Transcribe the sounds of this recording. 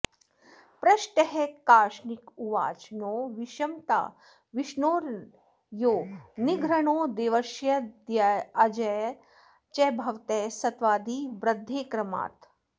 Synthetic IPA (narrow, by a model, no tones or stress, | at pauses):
pɾɐʃʈɐɦɛkaːʃnikuʋa̰ːt͡ʃnoːʋiʃɐmt̪a̰ː | ʋiʃnoːɾ | joːniɡʱɾɐɳoːd̪eːʋɐʃjɐd̪jaɐd͡ʒɐj | t͡ʃɛbʱɐʋt̪ɛːsɐt̪ʋaːd̪ʱiːbɾɐd̪ʱːeːkɾɐma̰ːt̪